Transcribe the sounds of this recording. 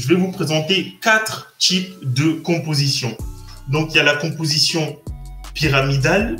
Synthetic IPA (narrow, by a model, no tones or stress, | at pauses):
ʒəvɛvupχezɑ̃t̪ekat̪χt̪ipd̪əkɔ̃pozisjɔ̃d̪ɔ̃kiljalakɔ̃pozisjɔ̃piʁamid̪al